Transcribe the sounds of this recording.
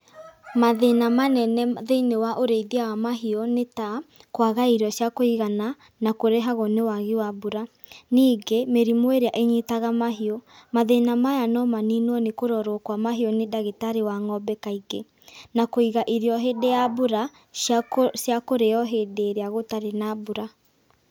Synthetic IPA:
maðenamanɛnɛðeinewaʔoɾeiðawamaɦiɔnetakwaɣaiɾɔɕjakoiɣana | nakoɾeɦaɣonewaɣiwabuɾa | niːɡemeɾimoeɾeaʔeɲitaɣamaɦiɔmaðenamajanɔmaninɔnekoɾɔɾɔkwamaɦiɔnedaɣitaɾewaŋɔbɛkaiɡḛ | nakoiɣaʔiɾiɔɦedeabuɾa | ʃjakoɾeɔɦedeɾeaɣotaɾenabuɾa

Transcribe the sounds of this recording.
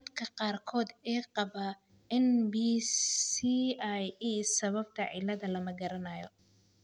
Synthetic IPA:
d̪kʰɐqɑːrkʰɔːd̪ɛːqɑβɐ | ɪnbi | iajiːsɐβɐb̚t̪ʰɐʕɪ̰lɐðɐlɐmɐɡɐɾɐnɐjɔ

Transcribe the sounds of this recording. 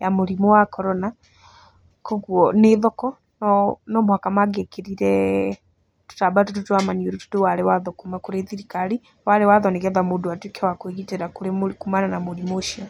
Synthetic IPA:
jamuɾimɔwakɔɾɔna | kɔɣwɔneðɔkɔ | nɔnɔmuhakamaɡekeɾiɾɛ | tu̥tabatututwamaɲoɾutu̥tewalɛwaðɔkumakuɾeθiɾikali | waɾɛwaðɔneɣɛðamuduatwikewakweɣiteɾakuɾemkumananamuɾimoʃiɔ

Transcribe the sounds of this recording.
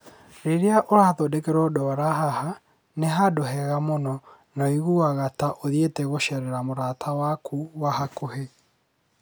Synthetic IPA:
ɾeɾeaʔoɾaːðodekeɾɔdɔaɾaɦaha | neɦadoɦɛɣamonɔ | naiɣuwaɣataʔoðietɛɣoʃɛɾɛɾamoɾatʰawakʰuwaɦakoɦe

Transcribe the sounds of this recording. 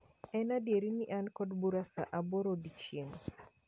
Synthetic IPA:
ɛnadjeɾiniʔankɔdbuɾasa̰ʔaboɾodit͡ʃiŋ

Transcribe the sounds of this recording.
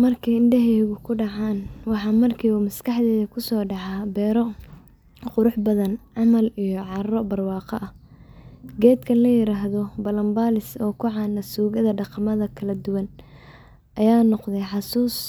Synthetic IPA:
mɐrkʰɛjɪɳɖɛɦɛɣʊkʰʊɖɑʕɑːnwɑħɑːmɐrkʰiːʊmɐskʰɑħd̪ɛːðɐkʰʊsɔːɖɑʕɑːbɛːɾɔ | qʊɾʊħbɐðɐnʕɑmɐlijɔʕɑɾɐrɔbɐrwɑːqɐ̰ʔɐ | ɡɛːd̪kʰɐnlɐjɪɾaːɦðɔbɐlɐmbaːlɪsɔːkʰʊʕɑːnɐsuːɣɐðɐɖɑqɑmɐðɐkʰɐlɐd̪ʊwɐn | ʔɐjaːnɔqðɛjħɑsuːs

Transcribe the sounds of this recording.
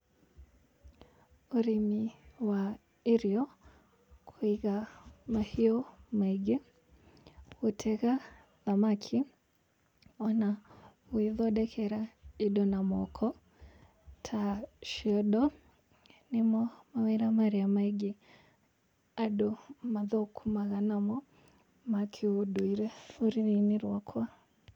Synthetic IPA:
uɾimiwa | iɾiɔ | kʰuiɣamahiɔmaiɡɛ | utʰɛɣa | ðamakʰi | ɔna | wiðɔɗɛkʰɛɾaiɗɔnamɔkʰɔ | tʰaʃiɔɗɔ | nimɔmawɛɾamaɾiamaiɡɛ | aɗɔmaðɔkʰumaɣanamɔ | makʰiuɗuiɾɛuɾininiɾwakʰwa

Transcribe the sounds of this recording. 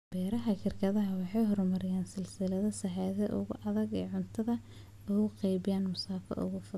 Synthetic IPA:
b̥ɛːɾɐɦɐʃɪrkʰɐðɐɦɐwɑħɑjɦɔrmɐɾɪjaːnsɪlsɪlɐðɐsɐħɑːðɛʔʊ̰ɣʊʔɐðɐɡɛ̰ːʕʊnt̪ʰɐðɐ | ʊɣʊqɑjbɪjaːnmʊsaːfɐ̰ʔʊ̰ɣʊfʊ

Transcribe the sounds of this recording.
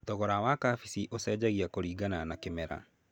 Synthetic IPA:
tɔɣɔɾawakafisiʔosɛːd͡ʑaɣiakoɾiːɡananakemɛɾa̰

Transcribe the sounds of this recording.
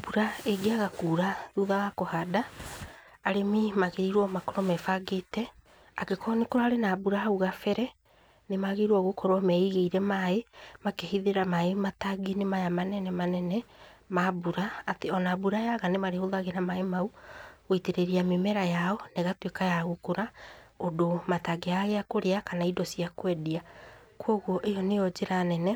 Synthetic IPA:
buɾaeɡeaɣakuːɾaðuðaɣakɔhadaː | ɾemimaɣeiɾwɔmakɔɾɔmɛfaɡetɛ | akekʰɔnekoɾaːɾenabuɾaauɣafɛɾɛ | nemaɣeɾwɔɣokɔɾwɔmɛiɣeiɾɛmaemakehiðeɾamaemataɡinemajamanɛnɛmanɛnɛmabuɾaːteɔnabuɾajaɣanemaɾehoðaɣenamaemauɣiteɾeɾiamemɛɾajaɔneɣatwekajaɣokoɾaodomataɡeaɣeakoɾeakanaidɔsiakwɛdia | kwɔɣwɔʔejɔnejɔd͡ʑeɾanɛnɛ

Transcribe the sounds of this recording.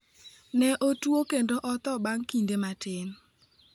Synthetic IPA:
nɛʔotwokendoʔɔt̪ɔbaŋkindematɪn

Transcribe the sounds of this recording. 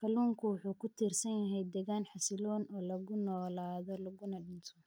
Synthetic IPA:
kʰɐluːŋkʰʊwʊħuːkʰʊt̪ʰiːrsɐnjɐɦɛjd̪ɛɣaːnħɑsɪlɔːnɔːlɐɣʊnɔːlaːðɔlɐɣʊnɐɖɪnt̪ʰɔ

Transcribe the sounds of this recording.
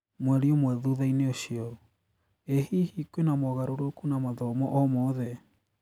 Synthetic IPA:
mwɛɾiɔmwɛðuðaineoʃiɔ | ehihikwenamɔɣaɾoɾokunamaðɔmɔʔɔmɔðɛ

